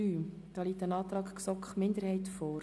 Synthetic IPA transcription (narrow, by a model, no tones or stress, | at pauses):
yː | d̪̥ɑːliːtənɑːt̪ɾɑːkksɔkχmɪndəɾhɛɪtfɔːɾ